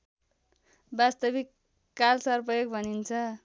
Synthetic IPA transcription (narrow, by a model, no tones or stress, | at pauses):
bast̪ʌbikː | alsʌrpʌjoɡbʱʌnint͡sʰʌ